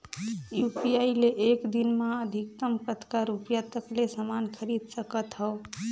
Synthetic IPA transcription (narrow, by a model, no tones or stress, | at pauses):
jupijaileʔekd̪inmãəd̪ʱik̚t̪əmpət̪kaɾupjat̪əklesəmankʰəɾid̪səkət̪ɦəʊ